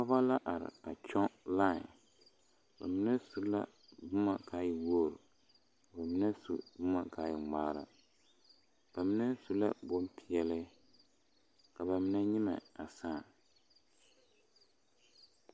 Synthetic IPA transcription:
pɔ˦ba˦la˦ʔa˨ɾɪ̰˨a˨t͡ʃɔ˦la˦˨ | ba̰˨mi˦nɛ˦su˨˦la̰˦ | bʊ˦ma˨ka˨˦ji˨woː˦˨ɾɨ˨ | ka˨ba˨mi˦nɛ˦sṵ˨bʊ˦ma˨ka˨˦ji˨ŋ͡maː˦ɾa̰˨ | b̥a˨mi˦nɛ˦su˨la̰˦bo˦mpi˨ɛ˨lɨ˦ | ka˨ba˨mi˦nɛ˦ɲi˦ma̰˨a˨saː˦˨

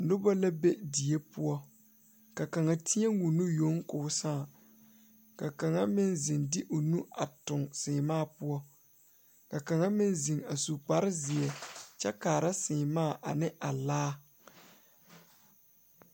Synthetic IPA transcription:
nʊ˦ba˦la˦be˦di˨e˦pʊ˦ɔ˦ | ka˨ka˨ŋa˨tʰi˦ɛ˦ŋwu˨nu˦jo˦ŋkʊː˨˦saː˦˨ | ka˨ka˨ŋa˦mɪ˦nzɪ˨ndɪ˦ʔʊ˨nu˦a˨tʊ˨ŋsɪː˨maː˦˨pʊ˦ɔ˦ | ka˨ka˨ŋa˦mɪ˦nzɪ˨ŋa˨su˨k͡pa˦ɾɪ˦zɪ˨ɛ˨t͡ʃɛ˦kaː˨ɾa˦sɪ˨maː˦˨ʔa̰˨nɪ˦ʔa˨laː˦

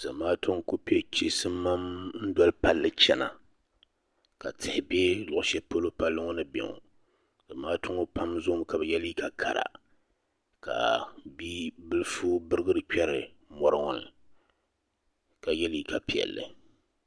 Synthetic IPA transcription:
z̥a˨maː˦tʊ˦ŋ˦ko˦pi˦ɛ˦t͡ʃi˦sɨ˦mː˦a˦mn̩˦dɔ˦lpa˦lːɨ˦t͡ʃɛ˦na̰˨ | ka˨tʰɪ˨hɪ˨bɛ˦lʊ˨ʔʊ˨˦ʃɛ˦po˦lo˦pa˦lːɨ˦ŋɔ˦nɨ˦bɛ̰˨ŋɔ̰˨ | z̥a˨maː˦tʊ˦ŋo˦pa˦mzʊ˦m˦ka˨bɨ˨jɛ˦li˦ka˨kʰa̰˨ɾa̰˨ | ka̰˨bi˦bɨ˦lfuː˦bɨ˦ɾɨ˦ɡɨ˦ɾɨ˨k͡pɛ˦ɾɨ˨ | mɔ˨ɾɨ˦ŋɔ˨nɨ̰˨ | ka˨jɛ˦li˦ka˨pi˨ɛ̰˨lːɨ̰˨

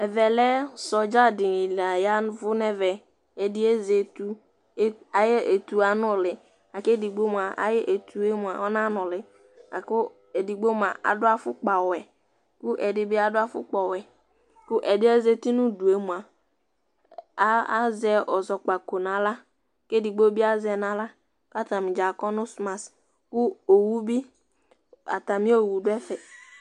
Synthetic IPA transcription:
ɛ˨vɛ˨lɛ˦sɔ˨d͡ʒa˦dɪ˨i˨la˨ja˦n˦vʊ˦nɛ˦vɛ˨ | e˨dɪ˦e˦ze˨tu˦ | a˨je˦ʔe˨tu˨a˨nʊ˦˨lɪ˨ | a˨ke˦di˨ɡ͡bo˦mu˨a˨ʔa̰˦jɛ˦ʔe˨tʰu˨e˦mu˨a˨ɔ˦na˦nʊ˨lɪ˨ | a̰˨kʊ˦ | e˨di˨ɡ͡bo˦m˨a˨ʔa̰˨dʊ˦a˦fʊ˦k͡pa˨wɛ˨ | kʊ˦ʔɛ˨dɪ˨bɪ˦a˨dʊ˦a˦fʊ̰˦k͡pɔ˨wɛ˨ | kʊ˦ʔɛ˨dɪ˦ɛ˦ze˦ti˦nʊ̃˦du˨e˦mũ˨a˨˦ | a˦zɛ˦ʔɔ˨zɔ˨k͡pa˨ko˨n˨a˨la˦ | ke˦di˨ɡ͡bo˦bi˦a˦zɛ˨na˨la˦ | ka˦ta˨mɪ˨d͡ʒa˨kɔ˦nʊ˦sma˨s | kʊ˦o˨wu˦bi˦ | a̰˨ta˨mɪ̃˦o˨wu˨dʊ˦ɛ˦fɛ˨

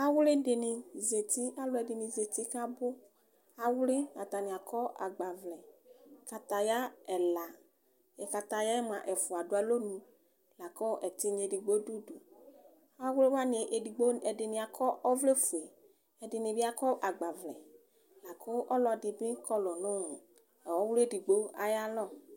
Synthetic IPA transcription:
a˦wle˦de˨nɪ˨ze˨t̪i˦a˦lʊ˦ɛ˨dɪ˨nĩ˨ze˨t̪i˦ka˦bʊ˦ | a˦wle˦a˨t̪a˨ni˨a˨kʰɔ˦a̰˨ɡ͡ba˨vlɛ˨ka˨t̪a˨ja˦ɛ˨la˨ | ɛ˨ka˨t̪a˨ja˦ɛ˦m˦ã˨ʔɛ˨fʊ˨a˨dʊ˨˦a˨lo˦nũ˨ | la˨kɔ˦ʔɛ˨t̪i˦ɲ˨e˨di˨ɡ͡bo˦du˦du˨ | a˦wle˦wa˦ne˨ʔdi˨ɡ͡bo˦ɛ˨dɪ˨nĩ˨a˨kʰɔ˦ʔɔ˦vle˦fu˨e˨ | ɛ˨dɪ˨nɪ˨bi˦a˦kɔ˦ʔa˨ɡ͡ba˨vlɛ̰˨ | la˨kʰɔ˦ʔɔ˦lɔ˨dɪ˨bĩ˦kɔ˦lɔ˨nʊ̃˦nʊ̃˨ | wɔ˦we˦di˨ɡ͡bo˦a˦ja˦lɔ˦˨

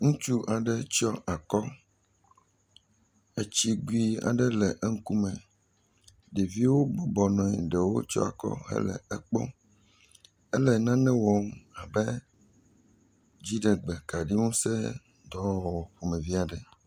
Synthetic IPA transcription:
ŋũ˦t͡ʃu˦ʔa˨ɖɛ˦t͡ʃɔ˦ʔa˨kɔ˦ | e˦t͡ɕi˦ɡi˦a̰˨ɖɛ˦lɛ˨ʔɛ˦ŋ̩˦ku˦mɛ̃˨ | ɖi˨vi˦wo˦bɔ˨bɔ˨nɔ̃˨i˨ɖɛ˨wo̰˦t͡ʃɔ̰˦a̰˨kɔ̰˦ɦɛ̰˦lɛ̰˨ɛ˦k͡pɔ̰˦ | ɛ˦lɛ˨nã˦nɛ̃˦wɔ˨m˦a˨bɛ˦ | d͡ʑi˦ɖɛ˨ɡ͡bɛ˨ka˨ɖi˦ŋũ˦sɛ̰˦ | d̪ɔ˦˨wɔ˨ɸo˨mɛ̃˨vi˦a˨ɖɛ˨

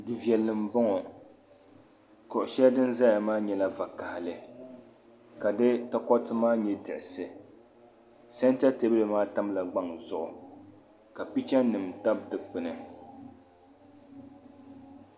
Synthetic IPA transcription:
dɨ˨vi˨ɛ˨lːɨ˨m̩˨bɔ˦ŋɔ˨ | kɔ˨ʔʊ˨ʃɛ˦dɨ˦nza˦ja˨maː˦ɲɛ˦la˦va˨ka˨hɪ˨lɨ˨ | ka˨dɨ˦ta˦kɔ˦tɨ˦maː˦ɲɛ˦dɨ˨ʔɪ˨sɨ˨ | sɛ˦n˦ta˦te˨˦bɨ˦lɨ˨maː˦ta˦m˦la˨ɡ͡ba˦ŋzʊ˨ʔʊ˨ | ka˨pi˦t͡ʃɛ˦n˦nɨ˨mta˦b̚dɨ˨pɨ˨nɨ˨

